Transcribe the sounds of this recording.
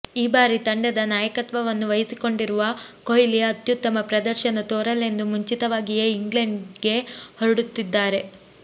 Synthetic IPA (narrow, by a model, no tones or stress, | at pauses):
iːbaːɾit̪ɐɳɖɐd̪ɐnaːjɐkɐt̪ʋɐʋɐnːuʋɐjisiko̞ɳɖiɾuʋɐkojiliɐɐt̪jut̪ːɐmɐpɾɐd̪ɐɾʃɐnɐt̪oːɾɐlːe̞nd̪umuɲt͡ʃit̪ɐʋaːɡijeiŋɡleɳɖɡe̞hoɾɽut̪ːid̪ːaːɾe̞